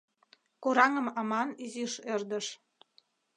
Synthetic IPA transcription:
koɾɑŋə̆mɑmɑniziʃerd̪əʃ

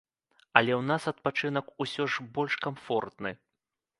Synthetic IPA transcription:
ɐlʲɛwn̪asɐt̪̚pat͡ʂɨnɐkusʲɔʐbɔlʲʂkamfɔrt̪nɨ

